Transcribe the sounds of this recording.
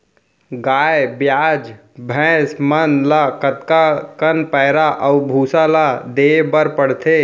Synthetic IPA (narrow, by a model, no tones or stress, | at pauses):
ɡaːjebjad͡ʒ | bʱɛ̃smənlakət̪kakənpəɪɾaʔəubʱusalad̪ebəɾpəɽt̪ʰe